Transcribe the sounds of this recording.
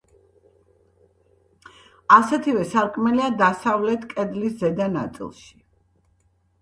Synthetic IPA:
asɛt̪ʰivɛsaɾkʼmɛliad̪asavlɛt̪ʰkʼɛd̪liszɛd̪ana̰t̪sʼḭlˠʃi̥

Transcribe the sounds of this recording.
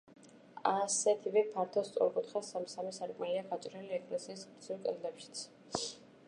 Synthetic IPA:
asɛt̪ʰivɛpʰaɾt̪ʰɔst̪sʼɔ̰ɾkʼut̪χasamsamɛsaɾkʼmɛliaɡat͡ʃʼɾɛliɛkʼlɛsiːsɡɾsʰilkʼɛld̪ɛpʃi̥t̪sʰ

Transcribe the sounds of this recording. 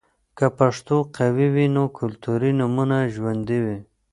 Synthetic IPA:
kapaʂt̪oqʰawiwinokʰʊlt̪uɾinʊmunaʒwand̪iwi

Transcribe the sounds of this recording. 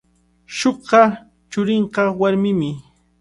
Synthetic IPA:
ʃoɢɑ | t͡ʃʊɾɪɴqɑwaɾmɪmɪ

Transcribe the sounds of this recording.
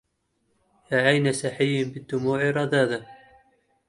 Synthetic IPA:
jaːʕajnasaħɪjːnbɪd̪ːʊmuːʕiɾˤɑd̪aːða

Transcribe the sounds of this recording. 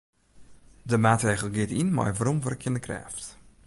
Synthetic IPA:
dəmaːtreːɣəl̩ˠɡɪətinma̰jʋaɾɔmʋɔrəkʰjɪnəkʰrɛ̰ːft

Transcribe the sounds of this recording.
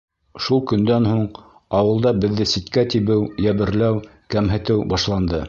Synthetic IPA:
ʃulˠkɵ̆nd̪ænhuɴ | ɑwɤ̆lˠd̪ɑbɘ̆ðːɘsit̪kæt̪iβɘwjæβɘ̆ɾlæw | kæmɦɘ̆t̪ɘwbɑʃlˠɑnd̪ɤ

